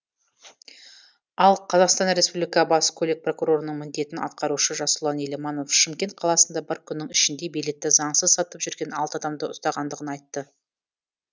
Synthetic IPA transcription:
ɑlˠqʰɑzɑqst̪ɑnɾe̞spublʲijkɑbɑskʲʰɵlek̚pro̞kuɾo̞ɾənəɴmɪnd̪e̞t̪ɪnɑ̰t̪̚qɑɾuʃəʒɑsʊlˠɑnelemano̞fʃɪmkʲe̞nt̪̚qʰɑlˠɑsənd̪ɑbɪɾkʲʰʏnːɪŋɪʃɪnd̪e̞be̞jle̞t̪ːɪzɑɴsəzsɑt̪əpʒʏɾɡʲe̞nɑlˠt̪əɑd̪ɑmd̪əʊst̪ɑʁɑnd̪əʁənɑjt̪ːə

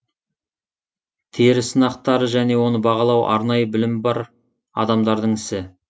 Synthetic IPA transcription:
t̪ʰeɾɪsənɑqt̪ɑɾəʒæne̞wo̞nəbɑʁɑlˠɑwʔɑ̰ɾnɑjəbɪlɪmbɑɾ | ɑ̰d̪ɑmd̪ɑɾd̪əɴɪsɪ

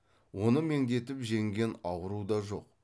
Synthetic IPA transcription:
wo̞nəme̞ŋd̪e̞t̪ɪpʒe̞ŋɡʲe̞nɑwəɾud̪ɑʒo̞̰q̚

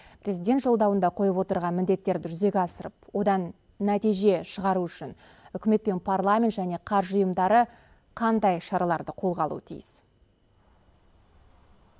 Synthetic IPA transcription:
pʰɾe̞zid̪ʲe̞nt̪ʒo̞lˠd̪ɑwənd̪ɑqʰo̞jəpwo̞t̪əɾʁɑnmɪnd̪e̞t̪ːe̞ɾd̪ɪʒʏze̞ɡʲɑsəɾəp̚wo̞d̪ɑnː | æt̪ijʒe̞ʃəʁɑɾuʏʃɪn | ʏkʲɪme̞t̪̚pe̞npʰarlˠamʲe̞nt̪ʒæne̞qʰɑɾʒʊjəmd̪ɑɾə | qʰɑnd̪ɑjʃɑɾɑlˠɑɾd̪əqʰo̞lˠʁɑlˠṵət̪ʰḭjɪs

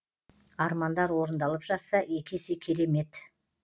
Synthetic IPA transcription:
ɑɾmɑnd̪ɑɾwo̞ɾənd̪ɑlˠəpʒɑsːɑe̞kʲʰe̞sekʲʰe̞ɾe̞me̞t̪

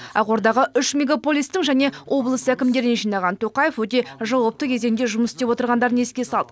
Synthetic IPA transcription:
ɑwo̞ɾd̪ɑʁəʏʃmʲeɡapo̞lʲˠijst̪ɪŋʒæne̞wʔo̞blˠəsəækʲɪmd̪e̞ɾɪneʒijnɑʁɑnt̪ʰo̞qɑje̞fwɵt̪̬e̞ʒɑwɑp̚t̪əkʲʰe̞ze̞nd̪e̞ʒʊməsst̪epwo̞t̪əɾʁɑnd̪ɑɾəne̞skʲe̞sɑlˠd̪ə

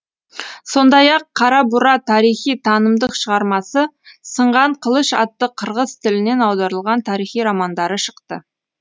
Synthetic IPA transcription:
so̞nd̪ɑjɑqʰːɑɾɑbuɾɑt̪ʰɑɾijχijt̪ʰɑnəmd̪əqʃəʁɑɾmɑsə | səɴʁɑɴqʰəlˠəʃɑ̰t̪ːəqʰəɾʁəz̥t̪ʰɪlɪne̞nɑwd̪ɑɾəlˠʁɑnt̪ʰɑɾijχijɾɑmɑnd̪ɑɾəʃə̥qt̪ə̰

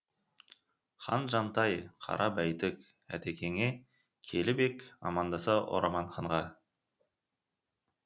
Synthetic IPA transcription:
χɑ̰nʒɑnt̪ɑjqʰɑ̰ɾʔɑbæjt̪ɪkæ̰t̪ekʲe̞ŋe | kʲʰe̞lɪbe̞kɑ̰mɑnd̪ɑsɑʔo̰ɾɑmɑɴχɑɴʁɑ

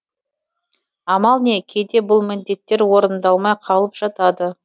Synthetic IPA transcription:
ɑmɑlˠne̞kʲʰed̪e̞bʊlˠmɪnd̪e̞t̪ːe̞ɾwo̞ɾənd̪ɑlˠmɑjqʰɑlˠəpʒ̥ɑt̪ɑd̪ə

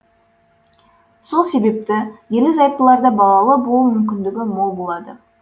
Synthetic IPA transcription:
so̞lˠse̞be̞p̚t̪ɪjelmɪzɑjp̪̚t̪ːəlˠɑɾd̪ɑbɑlˠɑlˠəbolˠumʏmkʲɪnd̪ɪɡʲɪmo̞lˠbo̞lˠɑd̪ə

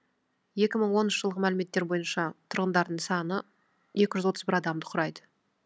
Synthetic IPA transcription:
je̞kʲɪməɴwo̞nnʃə̥ʒəlˠʁəmælɪme̞t̪ːe̞ɾbo̞jənʃɑt̪ʰʊɾʁənd̪ɑɾd̪əɴsɑnə | je̞kʲɪʒʏzwo̞t̪əzbɪɾɑd̪ɑmd̪əqʰɾɑjd̪ə

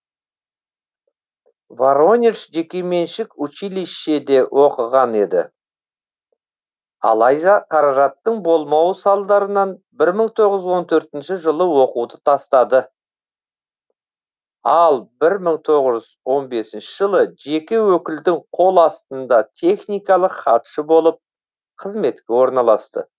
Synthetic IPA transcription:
vaɾonʲeʃʒe̞kʲe̞me̞nʃɪkʊt͡ʃijliʃe̞d̪e̞wʔo̞qəʁɑne̞d̪ɪ̰ | ɑ̰lˠɑjd̪ɑqʰɑɾɑʒɑt̪ːəɴbo̞lˠmɑwəsɑlˠd̪ɑɾənɑn | bɪɾməɴt̪ʰo̞ʁəzwo̞nt̪ʰɵɾt̪ɪnʃɪʒəlˠəwo̞quwd̪ət̪ʰɑst̪ɑd̪ə | ɑlˠbɪɾməɴt̪ʰo̞ʁəʒʏzwo̞nbe̞sɪnʃɪʒəlˠəʒe̞kʲewɵkʲɪld̪ɪŋqʰo̞lˠɑst̪ənd̪ɑt̪ʰe̞χnijkɑlˠəqχɑt̪ʃəbo̞lˠəp̚ | qʰəzme̞t̪kʲe̞wo̞ɾnɑlˠɑst̪ə̰

